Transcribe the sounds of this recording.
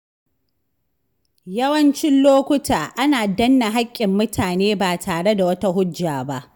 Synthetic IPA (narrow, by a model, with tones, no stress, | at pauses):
jɐ˦wɐ˦nt͡ʃɪ˦nloː˦kʷʊ˦tʰaː˨ʔa˦naː˨dɐ˦nːa˨ɦa˦kʲʼːɪ˨mːʊ˦tʰaː˨neː˦baː˨tʰaː˨ɽe˦da˨wɐ˦ta˦ɦʊ˦d͡ʒːaː˨ba˦ʔ